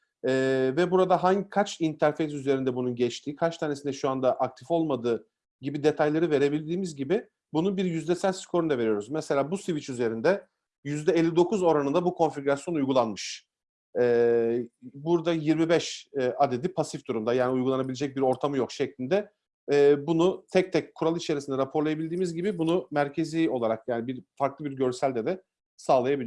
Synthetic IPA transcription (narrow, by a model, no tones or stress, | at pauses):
ɛːvɛbuɾad̪aɦaɲkʰat͡ʃint̪ʰæɾfe̞js̬yze̞ɾind̪ɛbununɟɛt͡ʃt̪ʰiːkʰat͡ʃt̪ʰaːnesind̪ɛʃuand̪aʔak̚t̪ʰifo̞lˠmad̪ɯː | ɟibid̪e̞t̪ʰajlˠaɾɯve̞ɾe̞bilʲd̪iːmizɟibɪ | bununbiɾjyzd̪ɛsænskʰo̞ɾund̪ave̞ɾyjo̞ɾuzmɛse̞lʲaːbusivit͡ʃyze̞ɾind̪ɛ | jyzd̪ɛelʲːid̪o̞kʰuzo̞ɾanɯnd̪abukʰo̞nfiɡʲɾasjo̞nujɡulˠanmɯʃ | ɛː | buɾd̪ajiɾmibɛʃɛad̪e̞d̪ipʰasifd̪uɾumd̪ajaːniujɡulˠanabilʲed͡ʒɛc̚biɾo̞ɾt̪ʰamɯjokʃɛclʲind̪ɛ | ɛːbunut̪ʰɛc̚t̪ʰɛc̚kʰːuɾalˠit͡ʃʰe̞ɾisind̪ɛɾapʰo̞ɾlˠajabilʲd̪iːmizɟibibunumæɾcʰe̞ziːo̞lˠaɾak̚jaːnibiɾfaɾklˠɯbiɾɟø̞ɾsælʲd̪ɛd̪ɛ | saːlˠajabilʲ